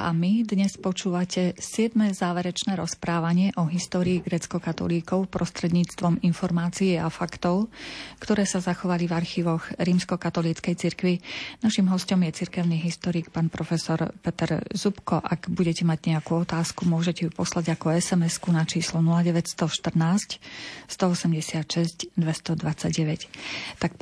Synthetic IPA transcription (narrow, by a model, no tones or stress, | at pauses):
ʔa̰mid̪ɲɛspɔt͡ʃuːʋacɛsɪɛd̪mɛzaːʋɛɾɛt͡ʃnɛːɾɔspɾaːʋaɲɪɛʔɔɦist̪ɔːɾiːɡɾɛːt͡skɔkat̪ɔ̰liːkɔʊpɾɔst̪ɾɛd̪ɲiːt͡st̪ʋɔminfɔɾmaːt͡siɛafakt̪ɔʊkt̪ɔɾɛːsazaxɔʋalivaɾxiːʋɔɣɾiːmskɔkat̪ɔliːt͡skɛjt͡siɾkʋinaʃimɦɔscɔmjɛt͡siɾkɛʊniːɦist̪ɔɾiːkpaːnpɾɔfɛsɔɾpɛt̪ɛɾzupkɔʔaɡbuɟɛcɛmaɟɲɛakuːɔt̪aːskumʊɔʒɛcɛupɔslaɟakɔɛsɛmɛskunat͡ʃiːslɔnulaɟɛʋɛcst̪ɔʃt̪r̩naːscst̪ɔɔsɛmɟɛsɪat̪ʃɛzcd̪ʋɛst̪ɔd̪ʋat͡saɟɛʋɛct̪ak